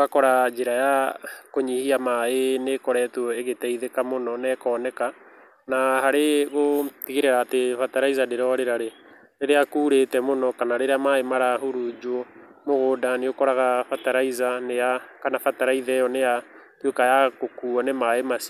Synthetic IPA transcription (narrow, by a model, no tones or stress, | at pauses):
ɣakɔɾad͡ʒeɾajakoɲihiamaenekɔɾɛtwɔeɣetɛiðekamonɔnɛkɔːnɛka | nahaɾeɣotiɣeɾeɾaːtefataɾaizadeɾɔɾeɾaɾe | ɾeɾeakuːɾetɛmonɔkanaɾeɾeamaemaɾaɦuɾud͡ʒo | moɣoːdaneokɔɾaɣafataɾaizanejakanafataɾaiðɛjɔneja | twekajakokuɔnemaemasi